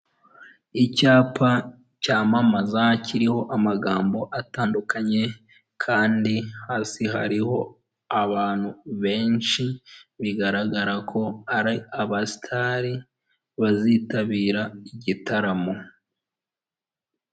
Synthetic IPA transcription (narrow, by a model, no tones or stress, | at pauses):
icaːpʰa | caːmamazaciɾiho̞ʔamaɡaːmbo̞ʔataːndukaɲe̞ | kʰaːndihaːsiɦa̰ɾiho̞ | aβaːn̥huβe̞ːnʃiβiɡaɾaɡaɾakʰo̞aɾiaβastʰaɾi | βaziːtaβiːɾaiɟitʰaɾamo̞